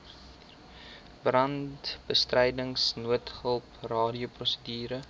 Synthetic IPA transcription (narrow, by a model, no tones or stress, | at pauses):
brɐntb̥əstrɛjdəŋsnuətχəlˠprɑːdioprɔsədyːɾə